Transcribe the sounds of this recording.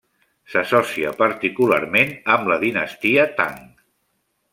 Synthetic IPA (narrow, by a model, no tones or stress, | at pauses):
səsɔsiə̰pəɾt̪ikulaɾmenəmləðinəst̪iət̪a̰ŋ